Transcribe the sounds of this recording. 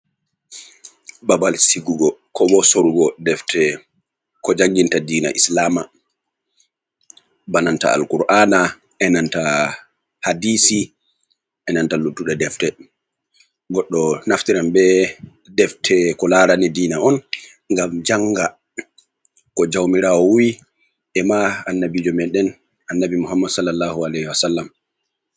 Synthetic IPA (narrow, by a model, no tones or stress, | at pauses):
babalsiɡuɡɔkʰɔbɔsoɾuɡɔdɛftʰɛ | kɔd͡ʒaŋɡintadiːna̰ʔislaːma | bananta̰a̰lkuɾʔaːna | ɛnanta | hadiːsi | ʔɛnantalutːuɗɛdɛftɛ | ɡɔɗːɔnaftiɾambɛ | dɛftʰɛkɔlaɾanidiːnaɔn | ŋɡamd͡ʒaŋɡa | kɔd͡ʒawmiɾawɔwuwi | ʔɛmaanːabid͡ʒɔmɛɗɛn | ʔanːabimuɦamːadsɔlːalːaːhualɛhiwasalːam